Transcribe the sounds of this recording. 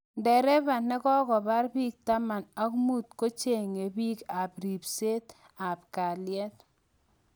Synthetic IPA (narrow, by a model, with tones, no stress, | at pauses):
ndɛ˨ɾɛ˦ba˨nɛ˦kɔ˦kɔ˨ba˦ɾbi˦k̚t̪a˦ma˨na˦kmu˦t̪ko˦t͡ʃe˨ŋe˨bi˦ka˨bɾi˨pse˦t̪ | a˨pka˨ljɛ˦t̪